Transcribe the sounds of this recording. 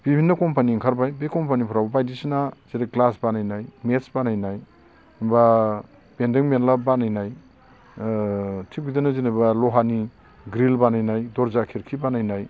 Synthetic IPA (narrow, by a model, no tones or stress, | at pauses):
b̥ibʱinːɐkɔmpaniŋkʰaɾbajbekɔmpanipʰɔɾababajdisinaz̥eɾeklasbanajnajmesbanajnaj | ba | bendiŋmenlabanajnaj | tʰik̚bidanɯzinabalɔɦani | ɡɾilbanajnajdɔɾzakʰiɾkʰibanajnaj